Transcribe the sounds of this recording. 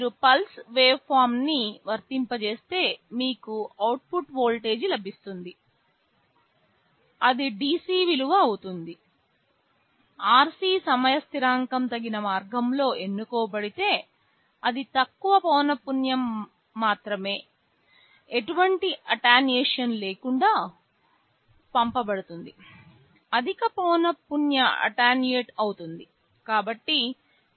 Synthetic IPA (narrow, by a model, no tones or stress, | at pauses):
miːɾupɐlsʋe̞ːpʰaːɾmniʋɐɾt̪impɐt͡ʃe̞ːst̪e̞ːmiːkuɐwʈ̚puʈboːlʈe̞ːd͡ʒlɐbʱist̪und̪i | ɐd̪iɖiːsiːʋiluʋɐːwut̪und̪i | aːɾsiːsɐmɐjɐst̪iɾaːŋkɐmt̪ɐɡinɐmaːɾɡɐmlo̞ːʔe̞nːukɔːbɐɽit̪e̞ː | ɐd̪it̪ɐkːuʋɐpɔːnɐpunjɐmː | aːt̪ɾɐme̞ː | eʈuʋɐɳʈiʔɐʈaːnijeːʂɐnle̞ːkuɳɖaː | pɐmpɐbɐɽut̪und̪i | ɐd̪ʱikɐpɔːnɐpunjɐɐ̰ʈaːnje̞ːʈɐwut̪und̪i | kaːbɐʈːi